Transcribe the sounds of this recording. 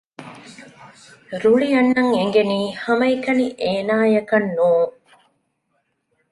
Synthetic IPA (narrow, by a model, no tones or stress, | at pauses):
ɾuɭiɐnːɐŋeŋɡeniːhɐmɐikɐniʔeːnaːjɐkɐnːuːŋ